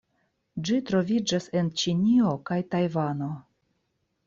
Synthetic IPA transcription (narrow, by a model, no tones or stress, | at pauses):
d͡ʒitɾo̞vʲid͡ʒase̞nt͡ʃinʲio̞kajtajvano̞